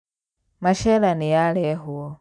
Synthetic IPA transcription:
maʃɛlanijalɛɦu

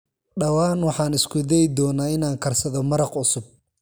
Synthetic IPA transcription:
ɖɐwɑːnwɑħɑːnɪskʰʊd̪ɛjd̪ɔːnaːɪnaːŋkʰɐrsɐðɔmɐɾɑqʊsʊb̚

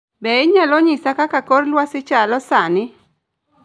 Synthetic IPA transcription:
bɛɪɲalɔɲɪsakakakoɾlwasɪt͡ʃalɔsanɪ

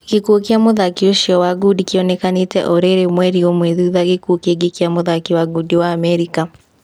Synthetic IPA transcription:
ɣekuokiamoðakioʃiɔwaɡudikiɔnɛkanetɛ̰ʔoɾeɾemwɛɾiomweðuːðaɣekuokeɡekiamoðakiwaɡudiwaːmɛɾika

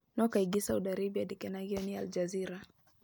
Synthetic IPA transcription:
nɔkaiɡisauɗaɾibiadikɛnaɡiɔnia̰ld͡ʒaziɾa

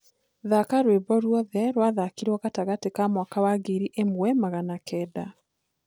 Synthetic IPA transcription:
ðakaɾwebɔɾwɔðɛɾwaðakiɾwɔɣataɣatekamwakawaɡeɾiʔemwɛmaɣanakʰɛːda

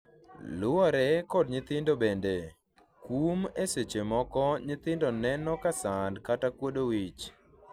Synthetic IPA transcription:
lʊɔɾɛkɔdɲɪt̪ɪndobende | kumeset͡ʃemɔkɔɲɪt̪ɪndɔnɛnɔkasandkatakwodowit͡ʃ

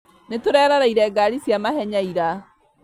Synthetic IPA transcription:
netoɾɛːɾaɾaiɾɛːɡaɾisjamahɛɲaiɾa

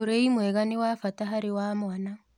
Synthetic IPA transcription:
oɾeimwɛɣanewafataɦaɾewaːmwana

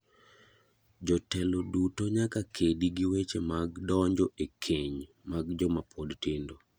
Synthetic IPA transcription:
d͡ʒɔtɛlodutoɲakakʰediɡiwet͡ʃemaɡdɔɲd͡ʒɔʔekʰeɲ | maɡd͡ʒɔmapʰɔdtɪndo

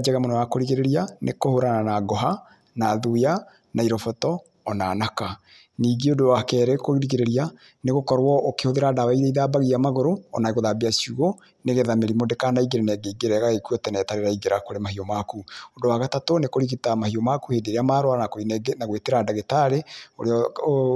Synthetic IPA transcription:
d͡ʒɛɣamonɔwakoɾiɣeɾeɾianʔekohoɾananaɡɔɦa | naðuja | naiɾɔfɔtɔː | naːnaka | niːɡeodowakɛːɾɛkoɣiɾiɣeɾeɾia | neɣokɔɾwɔʔokehoðeɾadawaiɾeiðaːbaɣiamaɣoɾoɔnaeɣoðabeasuɣo | neɣeðameɾimodekanaiɡeɾenɛɡeiɡeɾɛɣaɣekuɔtɛnɛtaɾeɾaiɡeɾakoɾemahiɔmakuodowaɣatatonekoɾiɣitamahiɔmakuhedeɾeamaɾwanakoinɡnaɣweteɾadaɣetaɾeoɾeɔ

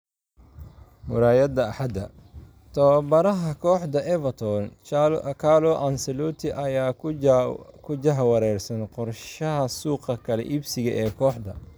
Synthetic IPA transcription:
wʊɾaːjɐd̪ɐːħɐd̪ɐ | t̪ʰɔbɐɾɐɦɐkʰɔːħd̪ɐʔɛvɐt̪ʰɔnkʰaːlɔʔɐnsɛlut̪ʰɪʔɐjaː | kʰʊd͡ʒɐɦwɐɾɛːrsɐnqɔrʃɐɦɐsuːqɐkʰɐlɛ̰ʔibsɪɣɐʔɛːkʰɔːħd̪ɐ̰

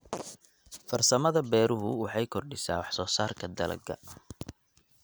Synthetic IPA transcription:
fɐrsɐmɐðɐbɛːɾʊɦʊwɑħɑjkʰɔrɖɪsa̰ːwɑħsɔːsaːrkʰɐd̪ɐlɐ̰ɡɐ̰

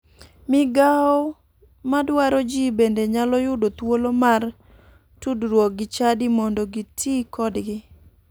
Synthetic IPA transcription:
mɪɡaɔ | madwaɾod͡ʒibendeɲalɔjʊdot̪wolomar | tudɾwɔk̚ɡɪt͡ʃadimɔndɔɡitʰikɔdɡɪ

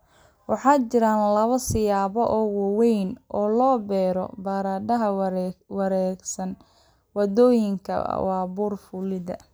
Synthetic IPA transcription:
wɑħɑːt͡ʃɪɾaːnlɐβɐsɪjaːβɔʔɔːwɑwɛjnʔɔːlɔːbɛːɾɔ̰bɐɾaːɖɐɦɐwɐɾɛːɡsɐn | wɑdɔːjɪŋkʰɐ̰wɑːbuːrfʊlɪðɐ̰

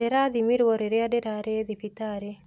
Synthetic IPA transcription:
eɾaðimiɾwɔɾeɾeadeɾaɾeðifit̪aɾe

